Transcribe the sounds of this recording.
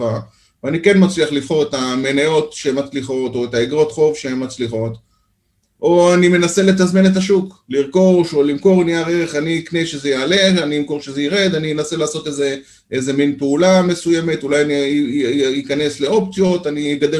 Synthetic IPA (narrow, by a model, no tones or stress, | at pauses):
a | veanikenmat͡sliaχlivχo̞ʁetamenajo̞tʃeemat͡sliχo̞to̞etaeɡʁo̞t̪χo̞vʃeemːat͡sliχo̞t | ʔo̞anime̞nase̞let̪̬azmine̞t̪̬aʃukliʁko̞ʃo̞limko̞ʁniaʁeʁeχanikneʃe̞zejaːle̞aniimko̞ʁʃezeiʁe̞d̪animenaselaːso̞teze | ʔeze̞minpeulame̞suje̞me̞tulajani | ikane̞sle̞o̞p̚t͡sjo̞taniɡad̪e